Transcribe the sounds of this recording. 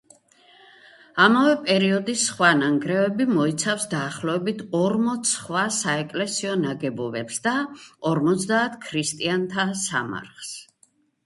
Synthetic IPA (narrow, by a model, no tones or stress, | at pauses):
amavɛpʼɛɾiɔd̪isχwanaŋɡɾɛvɛbimɔit̪sʰafsd̪aːχlɔɛbit̪ʰɔɾmɔt̪sʰχwasaɛkʼlɛsiɔnaɡɛbɔbɛpsd̪aɔɾmɔt̪sd̪aːt̪ʰkʰɾist̪ʼiant̪ʰasa̰ma̰ɾχs